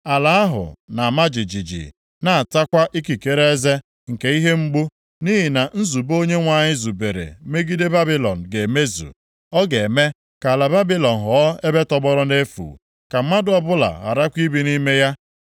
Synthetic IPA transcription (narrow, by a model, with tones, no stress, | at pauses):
a˨la˨˦a˦ɦʊ̰˨na˨ma˦d͡ʒi˨d͡ʒi˨d͡ʒḭ˨ | na˨a˨ta˦kʷa˦ʔi˦ki˨ke˨ɾe˦e˦ze˦ | ŋ̩˨ke˦i˦ɦe˦ŋ͡m̩˦ɡ͡bu˦ | ni˦ɦi˨na˨n̩˦zu˨bo˦ɲe˦ŋʷa˨ɲɪ˦zu˨be˨ɾḛ˨me˦ɡi˦de˦ba˦bi˦lɔ̰˨n̩˨ɡe˨me˦zṵ˨ | ɔ˦ɡe˨e˨me˦ | ka˨la˨ba˦bi˦lɔ˨n̩˨ɦɔ˨˦e˦be˦tɔ˦bɔ˦ɾɔ˦ne˦fṵː˨ | ka˨m̩˦ma˦dʊ˦ɔ˦bʊ˦la̰˨ɣa̰˨ɾa˦kʷi˦bi˨ni˦me˦ja˦